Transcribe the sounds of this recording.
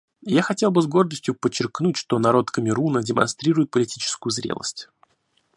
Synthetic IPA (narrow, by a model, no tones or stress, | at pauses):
jaxɐtʲe̞lˠbɨzɡo̞rd̪əsʲtʲjʊpət͡ɕːɪrknutʲʂt̪o̞nɐɾo̞t̪kəmʲɪɾunədʲɪmɐ̰nst̪ɾʲiɾʊjɪt̪̚pəlʲɪtʲit͡ɕɪ̥skʊjʊzɾʲḛlˠə̰sʲtʲ